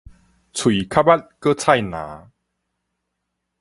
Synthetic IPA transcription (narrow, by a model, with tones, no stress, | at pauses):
t͡sʰu˨i˨˩kʰa˦˥ba˦˥t̚kə˦t͡sʰa˥˧˨jnã̰ː˨˦